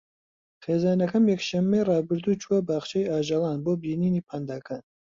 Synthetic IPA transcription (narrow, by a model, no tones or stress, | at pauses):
χeːzaːnɐkɐmjɛkʃɐmːejrɑːbɨɾd̪uːt͡ʃʰuɐbaːχt͡ʃejaːʒɑlˠɑːnboːbiːniːniːpʰand̪aːkʰaːn